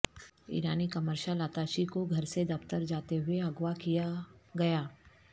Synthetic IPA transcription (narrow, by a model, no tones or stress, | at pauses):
ḭːɾaːnikɐməɾʃalaːt̪aːʃikoɡʱɐɾsed̪ɐpt̪əɾd͡ʒaːt̪eɦʊeɐɡwakijaɡɐjaː